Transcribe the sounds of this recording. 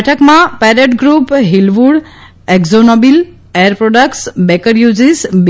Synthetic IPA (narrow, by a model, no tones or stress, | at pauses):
ʈʰəkmãpɛɾeʈɡɾupɦilʋuɖ | ekzonobil | eəɾpɾoɖəkʈsbɛkəɾjud͡ʒisb